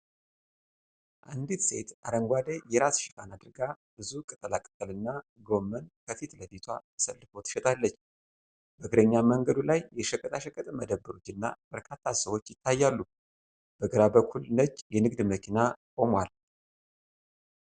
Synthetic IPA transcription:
ʔand̪it̪se̞t̪ʔaɾəŋɡʷad̪ejɛɾasʃɪkʰanad̪ɨɾɡa | b̥ɨzukʼɨt̪ʼəlakʼɨt̪ʼəlɨnːaɡo̞mːənkʰəfit̪ləd̪it̪ʰwat̪ʰə̥səlːɨfo̞t̪ʰɨ̥ʃɛt̪ʼalːət͡ʃː | b̥əɡɨɾəɲːaməŋɡəd̪ulajjɛʃɛkʼːət̪ʼaʃəkʼːət̪ʼməd̪əbːəɾud͡ʒɨnːa̰b̥əɾkʰat̪ʰːasəwo̞t͡ʃːjɪt̪ʰːajːalːu | b̥əɡəɾabəkʰulnət͡ʃːjɛnɨɡd̪məkʰinakʼo̞mwal

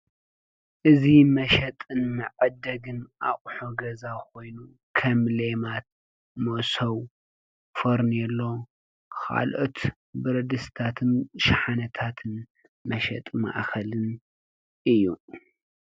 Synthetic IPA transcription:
ʔɨzimɐʃɐt̪ʼɨnmɐʕɐd̪ɐɡɨnʔa̰χʼħoɡɐzakʰo̞jnu | kʰɐmlemat̪̚ | mosɐw | fɐɾnɛlːo̞ | kʰa̰lʔo̞̰t̪ | bɨɾɐd̪ɨst̪ʰat̪ʰɨnʃaħanɐt̪ʰat̪ʰɨn | mɐʃɐt̪ʼma̰ʔxɐlɨn | ʔɨjːu

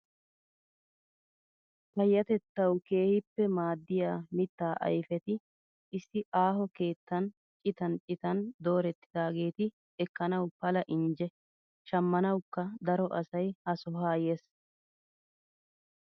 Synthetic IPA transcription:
pɐjːɐt̪ɛt̪ːɐwke̞ːhɪpːɛmaːd̪ːɪjaːmɪt̪ːaːʔɐ̰jfɛt̪ɪ | ɪsːɪʔaːɦɔke̞ːt̪ːɐn | t͡ʃʼɪt̪ɐnt͡ʃʼɪt̪ɐnd̪o̞ːɾɛt̪ːɪ̥d̪aːɡe̞ːt̪ɪ | ɛkːɐnɐwpɐlɐʔɪnd͡ʒɛ | ʃɐmːɐnɐwkːɐd̪ɐɾɔʔɐsɐjhɐsɔɦaːjeːs

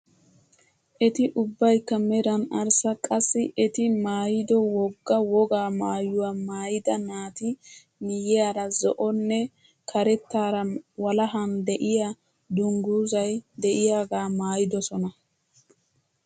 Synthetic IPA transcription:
ʔɛt̪ɪʔʊbːɐjkːɐmɛɾɐnɐɾsɐkʼɐsːɪʔɛt̪ɪmaːjɪd̪ɔwɔɡːɐwɔɡaːmaːjʊwamaːjɪd̪ɐnaːt̪ɪ | nɪjɛjaːɾɐzɔ̰ʔɔnːɛ | kʰɐɾɛt̪ːaːɾɐwɐlɐɦɐnd̪ɛʔɪja | d̪ʊŋɡuːzɐjd̪ɛʔɪjaːɡaːmaːjɪd̪ɔsɔnɐ

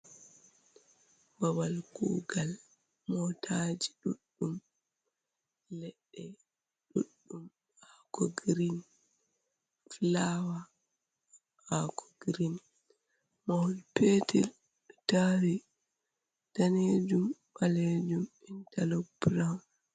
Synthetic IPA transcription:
bawalkṵɡal | mɔtʰad͡ʒiɗuɗːum | lɛɗːɛ | ɗṵɗːum | akɔɡɾin | flawa | akɔ̥ɡɾin | mahulpetʰɛl | ɗtaɾi | taned͡ʒumɓaled͡ʒumɛntalobɾan

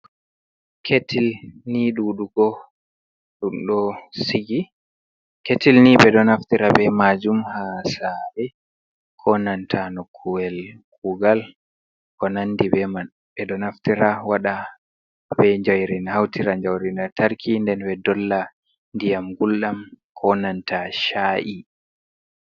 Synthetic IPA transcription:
kʰetʰilniɗuɗuɡɔ | ɗumɗɔsiɡi | ketilniɓɛɗɔnaftiɾabɛmad͡ʒumhasaɾɛ | kʰɔnantʰanɔkʰːuwɛlkuɡal | kɔnanːdibɛa | ɓɛɗɔnaftiɾawaɗa | bɛɲd͡ʒajɾinahawtiɾaɲd͡ʒawɾinataɾkʰindɛnwɛdɔlːa | ndijamɡulɗamkʰɔnantaʃaːʔi

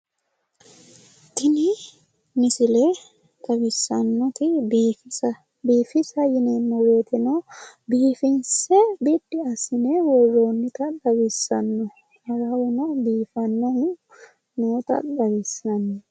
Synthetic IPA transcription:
t̪ɪnɪ | mɪsɪlɛ | k̪ɐbɪsːɐnːɔt̪ɪfɐ | biːfɪsɐjɪnemːɔweːt̪ɪnɐbiːfɪnsɛbid̪ːɪɐsɪnewɔrːoːnːɪt̪ɐɗ̪ɐbɪsːɐnːɔ | hɐɡɐwʊnɐbiːfɐnːɐmʊ | not̪ɐ̰ɗɐwɪsːɐnːɔ

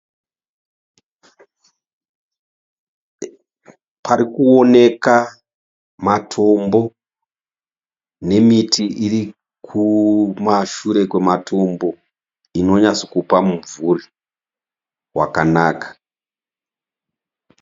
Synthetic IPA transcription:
paɾikuone̞ka | matʰo̞mbo̞ | ne̞mitʰiʔiri | kʰumaʃuɾe̞kwe̞matʰo̞mbo̞ | ino̞ɲaso̥kupamuvuri | wa̰kanaːkḁ

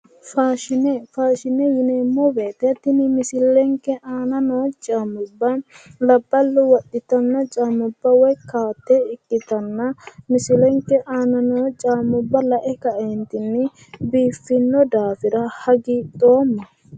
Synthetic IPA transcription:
faːʃɪnɛfaːʃɪnɛjɪneːmːɔbeːt̪ɛt̪ːɪnɪmɪsɪlɛŋkɛʔaːnɐnoːt͡ʃʼaːmʊbːɐnlɐbːɐlːʊwɐɗɪt̪ɐnːɐt͡ʃʼaːmʊbːɐwɔjkaːt̪ːɛɪkʼːɪt̪ɐnːɐmɪsɪlɛŋkɛʔaːnɐnoːt͡ʃʼaːmʊbːɐlɐʔɛkɐʔeːnt̪ɪnːɪ | biːfːɪnːɔd̪aːfɪɾɐhɐɡiːd̪oːmːɐ

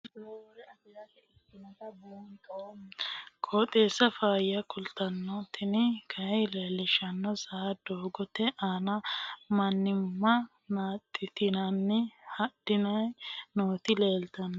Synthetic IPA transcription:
oɾɛɐɪjɐ | ɪ | ɪnɐtɐbt̪ | kʼoːt̪ʼeːsɐfaːjɐkʊlt̪ːɐnːɔt̪ɪnɪkʰɐjleːlːɪʃɐnːɔsɐɐd̪̥oːɡɔt̪ɛʔaːnɐmɐnːɪmːɐ | naːt̪ʼːɪt̪ɪnɐnːɪhɐd̥ɪnɐjnoːt̪ɪleːlt̪ɐn

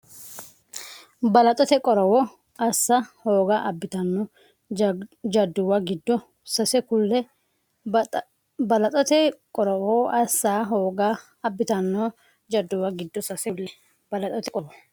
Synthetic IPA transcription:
bɐlɐt̪ʼɔt̪ɛkʼɔɾɔwɔ | ʔɐsːɐhoːɡaʔɐbːɪt̪ɐnːɔ | d͡ʒɐd̪ːʊwɐɡɪd̪ːɔ | sɐsɛkʊlːɛ | bɐlɐt̪ʼɔt̪ɛkʼɔɾɔwɔʔɐsːaːɦoːɡa | ɐbːɪt̪ɐnːɔ | d͡ʒɐd̪ːʊwaɡɪd̪ːɔsɐsɛlːɛ | b̥ɐlɐt̪ʼɔt̪ɛkʼɔwɔ

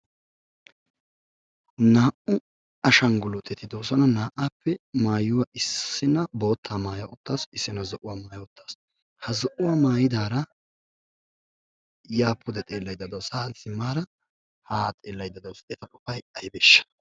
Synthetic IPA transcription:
naːʔʊ | ɐʃɐŋɡʊlʊt̪ʼːɛt̪ɪd̪oːsɔnɐnaːʔaːpːɛmaːjʊwɐʔɪsːɪnɐbo̞ːt̪ʰːaːmaːjɐʔɔt̪ːaːsɪsːɪnɐzɔʔʊwamaːjɐɔt̪ːḁːs | hɐzɔʔʊwaːmaːjɪd̪aːɾɐ | jaːpʰːʊd̪ɛt̪ʼe̞ːlːɐjd̪ɐd̪ɐwsaːsɪmːaːɾɐ | haːt̪ʼeːlːɐjd̪ːɐd̪ɐwseːt̪ɐkʼʊfɐjɐjbɛʃːɐ̥

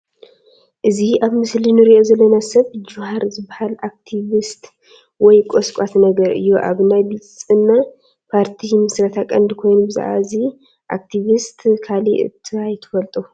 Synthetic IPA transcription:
ʔɨziaβmɨslinɨɾiʔo̞zɐlːɐnasɐβd͡ʒuhaɾzɨbːahalak̚t̪ʰiβist̪ | wɔjkʼoskʷʼat̪nɐɡɐɾɨ̰jːuʔa̰βnajbit͡sʼsʼɨnːa | pʰaɾt̪ʰimɨsɾɐt̪ʰakʼɐnd̪kʰo̞jnbɨza̰ʔa̰ɨzi | ʔa̰k̚t̪ʰiβist̪ʰkʰaliʔɨ̰t̪ʰːɨajt̪ʰːɨ̥fɐlt̪ʼu

